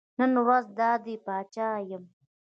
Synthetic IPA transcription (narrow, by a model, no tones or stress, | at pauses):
nənwazd̪aːd̪ipaːt͡ʃaːjəm